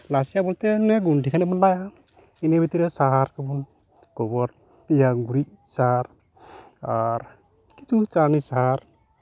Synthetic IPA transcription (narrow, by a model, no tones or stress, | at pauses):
lasijabɔlt̪enɛɡuɳɖʱikʰanɛbɔnlaja | inebit̪iɾesaɦaɾkabun | kɔbɔɾ | ijaɡuɾit̪̚ | saaɾ | aɾ | kit͡ʃut͡ʃanisaɦaɾ